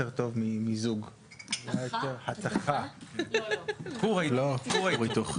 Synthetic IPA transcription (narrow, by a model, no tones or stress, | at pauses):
eʁt̪o̞vmimizuɡ | jajot̪eʁħat̪aχa | kuʁailokuʁaʁit̪uχ